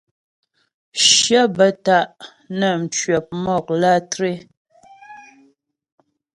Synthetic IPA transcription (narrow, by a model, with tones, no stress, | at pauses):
ʃjə˦bə˨ta˦˨ʔ | nə˨m̩˨t͡ʃɥɛ˨p̚mɔ˦˨k̚la˦tɾe˦